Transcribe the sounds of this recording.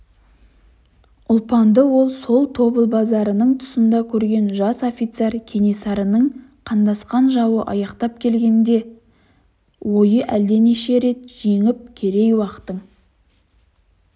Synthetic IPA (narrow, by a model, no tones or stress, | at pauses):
ʊlˠpɑnd̪əwo̞lˠso̞lˠt̪ʰo̞bəlˠbɑzɑɾənəɴt̪ʰʊ̥sənd̪ɑkʲʰɵɾɡʲe̞nʒɑso̞fʲijt̪se̞ɾkʲʰe̞nesɑɾənəɴqʰɑnd̪ɑsqɑnʒɑwəʔɑjɑqt̪ɑp̚kʲʰe̞lɡʲe̞nd̪e̞ | wo̞jəʔæld̪e̞neʃe̞ɾe̞t̪ʒeŋɪp̚kʲʰe̞ɾe̞jwɑqə̥t̪əɴ